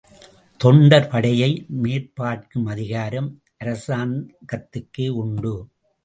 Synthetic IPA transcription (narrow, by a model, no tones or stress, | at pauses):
t̪ɔɳɖɐɾpɐɽɐjɐɪmeːɾpaːʈ̚kɯmɐðɪɣaːɾɐm | ʔɐɾɐsaːnkɐt̪ːɯkːeːʊɳɖɯ